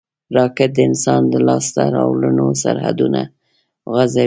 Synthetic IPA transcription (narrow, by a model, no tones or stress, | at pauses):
ɾɑkɪt̪̚d̪əɪnsɑnd̪əlɑst̪aɾɑwlənosaɾha̰d̪una | ɣaza